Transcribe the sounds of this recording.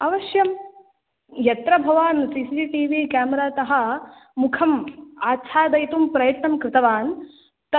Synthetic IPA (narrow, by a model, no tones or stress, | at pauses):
ɐʋɐʃjɐm | jɐt̪ɾɐbʱɐʋaːnsiːsiːsiːʈiːʋiːkaːmɐɾaːt̪ɐɦɐ̆ | mukʰɐmaːt͡ʃʰaːd̪ɐjt̪umpɾɐjɐt̪nɐmkɾɪt̪ɐʋaːn | t̪